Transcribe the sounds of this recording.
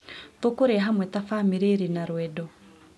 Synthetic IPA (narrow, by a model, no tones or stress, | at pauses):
tokoɾeaɦamwɛtafaːmiɾeɾinaɾwɛdɔ